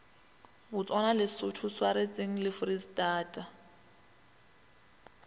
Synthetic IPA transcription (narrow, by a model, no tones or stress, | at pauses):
bʊt͡sʼwanalɪsʊtʰʊswaɾet͡sʼeŋ̩lɪfʊristʼaːtʼa